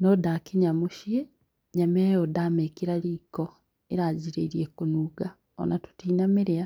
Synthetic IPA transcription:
nodakiɲamuʃie | ɲamejodamekiɾaɾiːko | eɾaːɟiɾeiɾiekunuːɡa | o̰natu̥tiːnameɾea

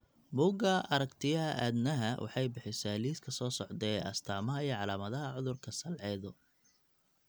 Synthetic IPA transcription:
buːɡɐʔɐɾɐkt̪ʰɪjɐɦɐʔa̰ːd̪nɐɦɐwʔɑ̰ħɑjbɪħɪsaːliːskʰɐsɔːsɔʕd̪ɛːɐ̰st̪ʰaːmɐɦɐijɔʕɑlaːmɐðɐɦɐʕʊðʊrkʰɐsɐlʕɛːðɔ

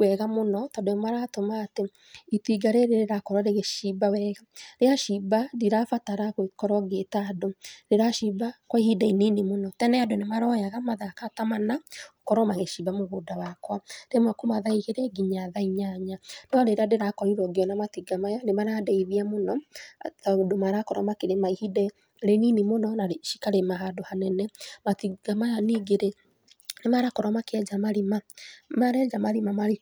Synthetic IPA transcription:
wɛɣamonɔtɔdemaɾatomaːte | itiɡaɾeɾeɾeɾakɔɾwaɾeɣeʃibawɛɣaɾeaʃibadiɾafataɾaɣokɔɾwɔɡetadoɾeɾaʃibakwaihidaininemonɔtɛnɛadonemaɾɔjaɣamaðakatamanaokɔɾɔmaɣeʃibamoɣoːdawakwaɾemwakumaðaiɣeɾɛɡiɲaðaiɲaɲanɔɾeɾadeɾakɔiɾɔɡeɔnamatiɡamajanemaɾadɛiðiamonɔðaodomaɾakɔɾɔ̰makeɾemaihidɛ | ɾeninimonɔnaɾeʃi̥kaɾemaɦadohanɛnɛmatiɡamajaniɡeɾe | nemaɾakɔɾɔmakeɛd͡ʒamaɾimamaɾɛd͡ʒamaɾimamaɾi

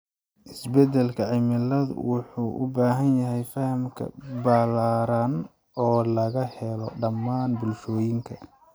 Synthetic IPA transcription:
ʔɪsbɛd̪ɛlkʰɐʕɪmɪlɐðwʊħuːʔʊ̰baːɦɐnjɐɦɛjfɐhɐmkʰɐ̰balaːɾan | ɔːlɐɣɐhɛlɔɖɐmːaːnbʊlʃɔːjɪŋkʰɐ

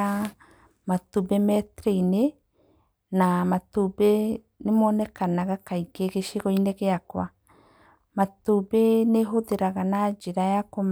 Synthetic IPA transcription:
a | matubemɛtɾeine | namatube | nemɔnɛkanaɣakaikeɣeʃeɣɔineɣeakwa̰ | matubeneɦoðeɾaɣanad͡ʒeɾajakom

